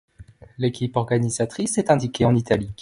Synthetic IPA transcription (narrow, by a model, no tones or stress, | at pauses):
lekʲipɔʁɡanizat̪χisɛt̪ɛ̃d̪ikʲeɑ̃nit̪ali